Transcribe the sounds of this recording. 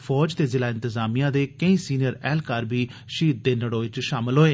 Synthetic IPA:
pʰɔːd͡ʒt̪eːzɪlaːɪ̃nt̪əzaːmijãːd̪eːkəĩːsiːnɪjəɾɛːlkaːɾbʱiː | ʃiːd̪̚d̪eːnəɽoːʋɪt͡ʃʃaːmɪlɦoːeː

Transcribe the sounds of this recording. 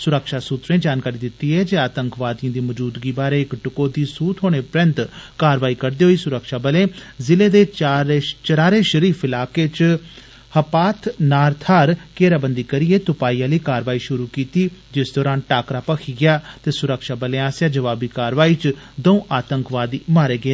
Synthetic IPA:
sʊɾəkʃaːsuːt̪ɾẽːd͡ʒaːnkaːɾiːd̪ɪt̪ːiːɦɛːd͡ʒeːaːt̪əŋkʋaːd̪ijãːd̪iːməd͡ʒuːd̪ɡiːbaːɾeːɪkʈʊkoːd̪iːsuːt̪ʰɦoːɽ̃eːpɾə̃nt̪kaːɾʋaːiːkəɾd̪eːɦoːiːsʊɾəkʃaːbəlẽːzɪleːd̪eːɾt͡ʃəɾaːɾeːʃəɾiːfɪlaːkeːt͡ʃ | həpaːt̪ʰnaːɾt̪ʰaːɾkeːɾaːbənd̪iːkəɾieːt̪ʊpaːiːãːləiːkaːɾʋaːiːʃʊɾuːkiːt̪iːd͡ʒɪsd̪ɔːɾaːnʈaːkɾaːpəkʰiːɡɪjaːt̪eːsʊɾəkʃaːbəlẽːaːsjaːd͡ʒəʋaːbiːkaːɾʋaːiːt͡ʃ | d̪əũːʔaːt̪əŋkʋaːd̪iːmaːɾeːɡɪeː

